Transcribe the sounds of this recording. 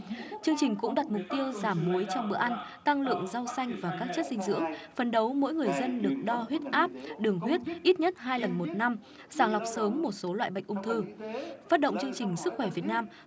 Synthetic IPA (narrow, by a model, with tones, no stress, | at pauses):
t͡ɕɨ˧əŋt͡ɕï˨˩ŋ̟kʊ̰˧˥ŋ͡mɗa˨˩t̚mʊ˨˩k͡p̚t̪i˧əwzaː˧˩mːu˨˦jt͡ɕɔ˧wŋ͡mɓə̰˧˨ʔa˧n | t̪a˧ŋlɨ̰˧˨əŋza˧wsa˧jŋ̟vaː˨˩kaː˦˥k̚t͡ɕə˦˥t̚sï˧ŋ̟zɨ̰˧˥əŋfə˨˩nɗə˨˦wmo̰˧˥jŋɨ˨˩əjzə˧nɗɨ˨˩ək̚ɗɔ˧ɦwi˦˥ət̚ʔaː˦˥p̚ɗɨ˨˩əŋɦwi˦˥t̚ʔi˦˥t̚ɲə˦˥t̚ɦaː˧jlə˨˩nmo˨˩t̚na˧m | zaː˧˩ŋla˨˩wk͡p̚səː˨˦mːo˨˩t̚so˨˦lwa̰ː˧˨jɓ̰ə̰˧˨jŋʔŋ͡mt̪ʰɨ˧faː˦˥t̚ɗə̰˧˨wŋ͡mt͡ɕɨ˧əŋt͡ɕï˨˩ŋ̟sɨ˦˥k̚xwɛ˧˩vi˨˩ət̚naː˧m